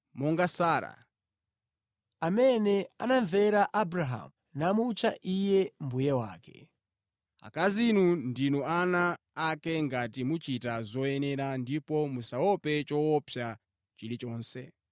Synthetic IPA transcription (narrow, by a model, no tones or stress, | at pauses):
mɔŋɡasaːɾa̰ | amɛnɛa̰naɱvɛɾaʔabɾaɦa̰m | namut͡ʃʰaʔijɛmbujɛwaːkɛ̰ | a̰kazinundinuanaː | kɛŋɡatimut͡ʃitazɔɛnɛɾandipɔmusawɔpɛt͡ʃɔɔpʰja | t͡ʃilit͡ʃɔːnsɛ